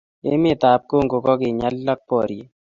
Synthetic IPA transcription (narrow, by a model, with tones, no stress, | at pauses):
e˦mɪ˦˨t̪a˨p̚ko˦ŋɡo˨kɔ˦ɡɪ˨ɲa˦lːa˦k̚pɔ˨ɾje˨˦